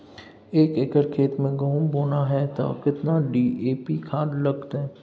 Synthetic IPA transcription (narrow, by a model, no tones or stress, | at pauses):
eːkeːkəɾkʰeːt̪mẽɡɐɦũboːnaɦɛːt̪a̰kɪt̪naɖiːeːpikʰaːɖlɐɡt̪ɦɛː